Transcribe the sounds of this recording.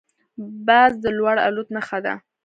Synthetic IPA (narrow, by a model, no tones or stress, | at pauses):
bɑzd̪əlwaɽa̰lut̪naxad̪a̰